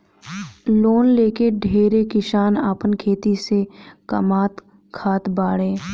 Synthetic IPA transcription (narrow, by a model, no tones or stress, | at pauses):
loːnleːkeɖʱeːɾekɪʃaːnaːpənkʰeːt̪isekəmaːt̪ | kʰaːt̪baːɽẽː